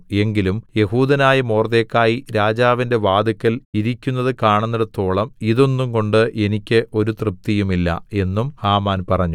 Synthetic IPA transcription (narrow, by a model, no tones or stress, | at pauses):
e̞ŋɡilumje̞huːðɐnaːjɐmoːrd̪eːkːaːjiɾaːd͡ʑaːʋinde̞ʋaːd̪ɐkːɐliɾikʲːunːɐðɨkaːɳunːɐɽɐt̪o̞ːɭɐmiðo̞nːumko̞ɳɖɨʔe̞nikʲːɨʔo̞ɾut̪rɨp̚t̪ijumilːɐ̰e̞nːumhaːmaːnpɐrɐɲːu